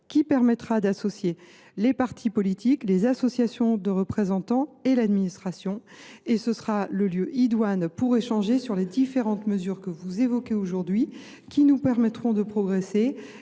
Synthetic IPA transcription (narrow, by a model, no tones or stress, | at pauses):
kʲipɛʁmɛt̪χad̪asɔsje | lepaʁt̪ʰipɔlit̪iklezasɔsjasjɔ̃d̪əʁəpχezɑ̃t̪ɑ̃elad̪minist̪χasjɔ̃ | esəsʁaləljøʔid̪wanpuʁeʃɑ̃ʒesyʁled̪ifeʁɑ̃t̪məzyʁkəvuzevɔkʲeoʒuʁd̪ɥi | kʲinupɛʁmɛt̪χɔ̃d̪əpχɔɡʁese